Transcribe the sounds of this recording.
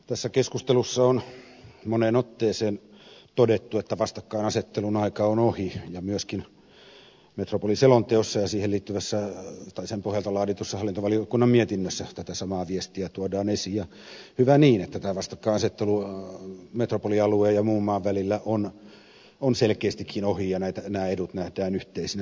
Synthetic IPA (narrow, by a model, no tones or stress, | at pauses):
t̪æsːækeskust̪elusːɑon | monenot̪ːeːseːnt̪odet̪ːuet̪ːæʋɑst̪ɑkːɑinɑset̪ːelunɑikɑonohijɑmyøskin | met̪ropoliselont̪eosːɑjɑsiːheliːt̪ːyʋæsːæt̪ɑisempohjɑlt̪ɑlɑːdit̪usːɑhɑlːˑint̪oʋɑliokːunːɑmmiet̪inːøsːæt̪æt̪æsɑmɑːʋiest̪iæt̪uodɑːnesijɑ | hyʋæniːnet̪ːæt̪æːʋɑst̪ɑkːɑinɑset̪ːelu | met̪ropoliɑlueːjɑmuːmːɑːʋʋælilːæʔon | onselkeːst̪ikʰːinohijɑnæit̪ænæːedut̪næhdæːnyht̪eisinæ